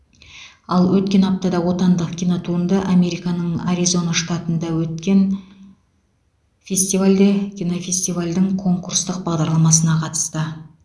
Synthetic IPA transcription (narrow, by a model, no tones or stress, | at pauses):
ɑlˠwɵt̪̚kʲe̞nɑp̚t̪ɑd̪ɑwo̞t̪ɑnd̪əqkʲʰino̞t̪ʰuənd̪ɑʔame̞ɾijkɑnəɴaɾizo̞naʃt̪ɑt̪ənd̪ɑwɵt̪kʲe̞n | fʲe̞sʲt̪ivalʲd̪ekʲʰino̞fʲe̞sʲt̪ijvalʲd̪ɪŋkʰo̞ŋkurst̪əq̚bɑʁd̪ɑɾlˠɑmɑsənɑqʰɑt̪ə̥st̪ə